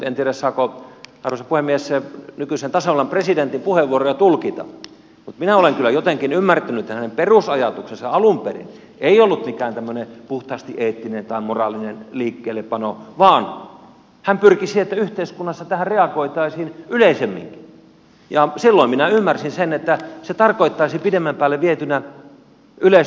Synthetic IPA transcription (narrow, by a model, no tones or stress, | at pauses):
mut̪ent̪ieɾæssɑːkoɑrʋosɑpuhemːiessenykysent̪ɑsɑʋɑlːɑmpresident̪impuheʋʋuorojɑt̪ulkit̪ɑ̰ | mut̪minæoleŋkylːˑæjot̪eŋkinymːært̪ænyet̪ːæhænemperusɑjɑt̪uksensɑɑlumperḭn | eiolːut̪mikæːnt̪æmːønepuht̪ɑːst̪iʔeːt̪ːinent̪ɑimorɑːlinenliːkːeːlepɑnoʋɑːn | hæmpyrkisiet̪ːæyht̪eiskunːɑsːɑt̪æhærreɑkoit̪ɑisiːnyleisemːḭŋki̥ | jɑsilːoiminæymːærsinsenet̪ːæset̪ɑrkoit̪ːɑisipidemːæmpæːlːeʋiet̪ynæ | yles